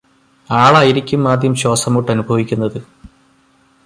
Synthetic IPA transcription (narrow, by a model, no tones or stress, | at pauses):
aːɭɐjiɾikʲːumːaːd̪jɐmɕo̞ːsɐmuʈːɐnubʱɐʋikʲːunːɐðɨ